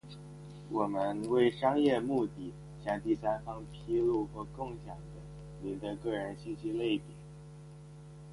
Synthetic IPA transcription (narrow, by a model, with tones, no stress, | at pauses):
wɔ˨˩mə˧nwe˥˩ɪʂɑ˥ŋjɛ˥˧mu˥˧t̪i˥˩ | ɕjɑ˥˧ŋt̪i˥˩sa˥nfɑ˥ŋpʰi˥lu˥˩xwɔ˧˥kʊ˥˩ŋɕjɑ˨˩ŋd̪ə˦ | ni˧˥nd̪ə˧kɤ˥˩ɻə˧˥nɕi˥˩ɕi˥le˥˩ɪt̪jɛ˨˩˦n